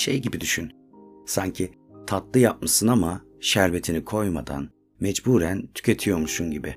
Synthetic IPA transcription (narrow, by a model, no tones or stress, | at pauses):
ʃḛjɟibid̪yʃyn | saɲcʰi | t̪ʰat̪lˠɯjap̚masɯnama | ʃæɾve̞t̪ʰinikʰo̞jma̰d̪a̰n | mɛd͡ʒbuːɾænt̪ʰy̥cʰʲet̪ʰijo̞ɾmuʃunɟibɪ